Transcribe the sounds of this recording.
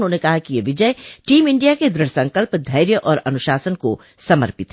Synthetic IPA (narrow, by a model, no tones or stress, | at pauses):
nɦoːnekɐɦakijeʋɪd͡ʒəeʈiːmɪ̃ɳɖijaked̪ɾɪɽsɐ̃ŋkəlpd̪ʱɐɪɾjəʔɔːɾɐnʊʃaːsənko | sɐmə̰ɾpɪt̪ɦ